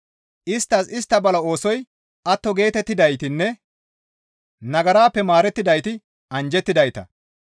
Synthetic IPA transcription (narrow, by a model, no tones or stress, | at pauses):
ʔɪst̪ːɐsɪst̪ːɐbɐlɐo̞ːsɔj | ɐt̪ːɔɡe̞ːt̪ɛt̪ːɪd̪ɐjt̪ɪnːɛ | nɐɡɐɾaːpːɛmaːɾɛt̪ːɪd̪ɐjt̪ɪ | ɐnd͡ʒɛt̪ːɪd̪ɐjt̪ɐ̰